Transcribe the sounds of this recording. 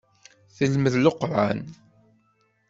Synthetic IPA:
θəlməðloqːɾˤa̰n

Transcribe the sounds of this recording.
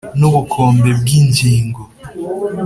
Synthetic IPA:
nobukʰɔmbeb̚ɡind͡ʒiːŋɡo

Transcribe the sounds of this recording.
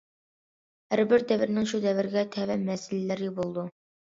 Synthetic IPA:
hæɾbɪɾd̪ɛvɪɾnɪŋʃud̪ɛvɪɾɪɡʲɛt̪ʰɛvæmɛsɪlɛlæɾɪbolˠd̪u

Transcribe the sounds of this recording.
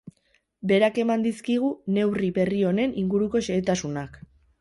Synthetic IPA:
be̞ɾake̞mand̪iskiɣ̞une̞wriβe̞rio̞ne̞niŋɡuɾuko̞ʃeːt̪asunak

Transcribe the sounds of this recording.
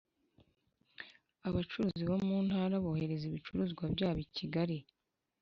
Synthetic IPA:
aβat͡ʃuɾuːziβomuːn̥haːɾaβoːhe̞ɾe̞ziβit͡ʃuɾuːzɡwabɟaːβiciɡaɾi

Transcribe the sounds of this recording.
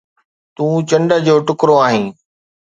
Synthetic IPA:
t̪ũːt͡ɕɐ̃ɳɖəd͡ʑoːʈʊkɾoaːɦĩː

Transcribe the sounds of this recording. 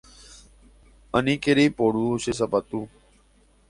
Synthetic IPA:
ənĩːkeɾiːpoːɽuːɕes̬əpət̪uː

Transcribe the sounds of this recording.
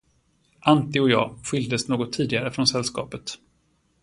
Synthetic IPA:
ʔant̪ɪɔjɑ̰ːɧʏld̪əsnoːɡɔt̪ʰːiːd̪ɪɡaɾəfɾɔnsɛlskɑ̰ːpət̪

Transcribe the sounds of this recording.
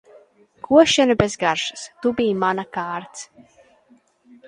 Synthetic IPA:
kʰuɔʃɛnubɛzɡaɾʃɨ̥st̪ubijmanakaːɾt̪s

